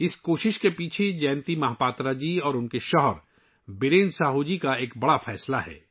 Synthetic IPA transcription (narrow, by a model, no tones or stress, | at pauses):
ɪskoːʃɪʃkepiːt͡ʃʰed͡ʒɛ̃ːnt̪imɐɦaːpaːt̪ɾad͡ʒiːɔːɾʊnkeʃɔɦɔɾ | bɪɾẽːnsaːɦud͡ʒikaeːkbɐɽafʰɛːslaɦɛ̰ː